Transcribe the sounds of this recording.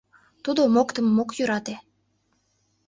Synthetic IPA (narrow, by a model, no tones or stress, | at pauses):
t̪ud̪omokt̪əmːokjyɾɑt̪e